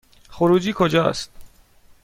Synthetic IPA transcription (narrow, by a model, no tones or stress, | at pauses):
xoɾuːd͡ʒiːkʰod͡ʒɒːst̪